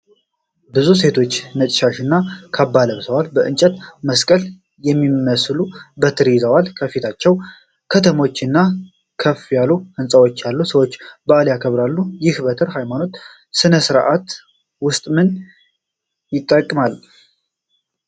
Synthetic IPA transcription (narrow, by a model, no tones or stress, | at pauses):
bɨzus̬e̞t̪ʰo̞t͡ʃːnət͡ʃ̪ʼʃaʃɨnːakʰabːaləβsəwalbəʔɨnt͡ʃʼət̪məskʼəl | jɛmːimːəslubət̪ʰɨɾizəwalkʰəfit̪ʰat͡ʃːɛw | kʰət̪ʰəmo̞t͡ʃːɨnːa | kʰəfjalːuʔɨnsʼəwo̞t͡ʃːjalːusəwo̞t͡ʃːbəʔaljakʰəβɾalːujɪhbət̪ʰɨɾhajmano̞t̪ | sɨnəsɨɾʔat̪ | wʊst̪ʼmɨn | jɪt̪ʼːəkʼːmal